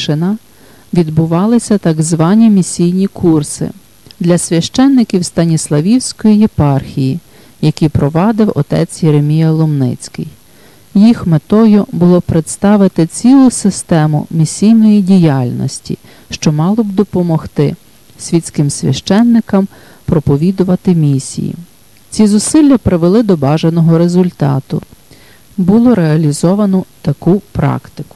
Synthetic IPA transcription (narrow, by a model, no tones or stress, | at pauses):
ʃɪnɑ | ʋʲid̪bʊʋɑlˠɪsʲɐt̪ɐɡzʋɑnʲimʲisʲijnʲikursɪ̰ | d̪lʲɐsʲʋʲɐʃt͡ʃɛnːɪkʲiwst̪ɐnʲislˠɐʋʲiwsʲkɔjijepɑrxʲiji | jɐkʲipɾɔʋɑd̪ɪwɔ̰t̪ɛ̰t͡sʲjeɾemʲijɐlˠʊmnɪ̰t͡sʲkɪ̰j | jixmet̪ɔjʊbʊlˠɔpɾet̪st̪ɑʋɪt̪ɪt͡sʲilˠʊsɪst̪ɛmʊ̰mʲisʲijnɔjidʲijɑlʲnɔ̰sʲtʲḭ | ʃt͡ʃɔmɑlˠɔbd̪ɔpɔmɔxt̪ɪ | sʲʋʲit̪ʲt͡sʲkɪmsʲʋʲɐ̰ʃt͡ʃɛnːɪkɐm | pɾɔpɔʋʲid̪ʊʋɐt̪ɪmʲisʲḭjḭ | t͡sʲizʊsɪlʲːɐpɾɪʋelˠɪd̪ɔbɑʒenɔɦɔɾezʊlʲt̪ɑ̰t̪ʊ̰ | bʊlˠɔɾeɐlʲizɔʋɐnɔt̪ɐkupɾɑ̰kt̪ɪkʊ̥